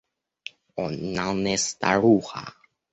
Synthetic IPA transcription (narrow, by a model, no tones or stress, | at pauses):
onanest̪a̰ɾuxa̰